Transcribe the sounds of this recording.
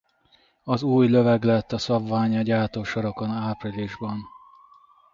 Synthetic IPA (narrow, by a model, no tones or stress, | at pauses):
ɒzuːjlø̞vɛɡlɛt̪ːɒsɒbvaːɲɒɟaːt̪oːʃɒɾɒkonaːpriliʒbɒn